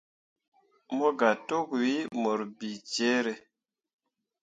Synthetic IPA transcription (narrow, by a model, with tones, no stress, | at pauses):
mo˦ɡa˨to˦kwi˦mo˨ɾbi˨t͡ʃe˦ɾe˨